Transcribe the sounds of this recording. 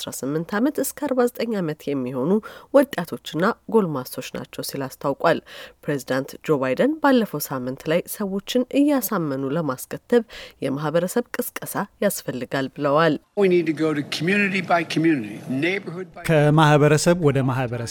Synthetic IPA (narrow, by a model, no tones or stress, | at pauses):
asɾa̰sɨmːɨnt̪ʰamət̪ɨskʰəaɾbazət̪ʼəɲːamət̪jɛmːiho̞nuwɔt̪ʼat̪ʰo̞t͡ʃːɪnːaɡo̞lmasʰo̞t͡ʃːna̰t͡ʃːɛwsilast̪ʰawkʼwalpɾe̞zid̪ant̪d͡ʒo̞βajd̪ənbalːəfəwsamːɨnt̪lajsəwo̞t͡ʃːɪnʔɨjːasamːənuləmaskʰət̪ʰːəβjɛmahbəɾəsəβkʼɨskʼəsajasfəlːɨɡalbɨləwalwinid̚tɨɡoʊɾɨkʰəmjʉnɨɾibaɪkʰmjʉnɨɾineɪbə˞hʊd̚kʰəmahβəɾəsəβwɔd̪əmahbəɾə